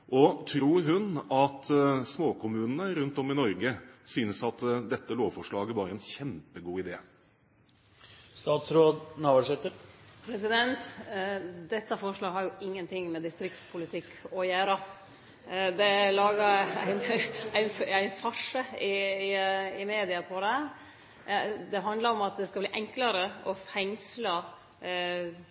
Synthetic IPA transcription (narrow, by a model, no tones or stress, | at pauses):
ʔɔt̪ʰɾuːɾɦʉnɑt̪smoːkʰʊmʉːnənəɾʉnt̪ɔmɪnɔɾɡəsyːnəsɑt̪d̪ɛt̪ːəloːʋfɔʂɭɑːɡəbɑːɾəɛnçɛmpəɡuːɪd̪eː | st̪ɑːt̪sɾoːd̪nɑːʋəʂɛt̪ːəpʰɾɛsɪd̪ɛnt̪ | d̪ɛt̪ːəfɔʂɭɑːɡɦɑɾjʊɪŋːənt̪ʰɪŋːmɛd̪ɪst̪ɾɪk̚t̪spʰʊlɪt̪ʰɪkʰːɔjæːɾɑ | d̪ɛlɑːɡəɾæ̰ɪnæɪnæɪnfɑʂəɪ | ɪmeːd̪ɪɑpʰɔd̪ɛæ | d̪ɛɦɑnd̪ləɾɔmɑt̪̚d̪ɛskɑbliːʔɛŋkləɾəʔɔfɛŋslə